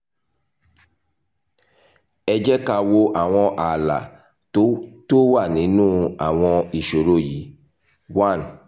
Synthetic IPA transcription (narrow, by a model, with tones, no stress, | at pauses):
ɛ˧d͡ʒɛ˦ka˧wo˧ʔa˨w̃ɔ̃˧ʔa˨la̰˨˦ | to˦wa˦˨nĩ˨˦nũː˦a˨w̃ɔ̃˧i˨ʃo˨ɾo˦˨ji˨˦ | wa˦˨n